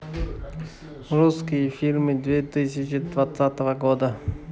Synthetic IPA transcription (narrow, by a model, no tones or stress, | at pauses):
ɾuskʲijəfʲilʲmɨd̪vʲet̪ɨsʲɪt͡ʃɪd̪vat̪sat̪əvəɡod̪ə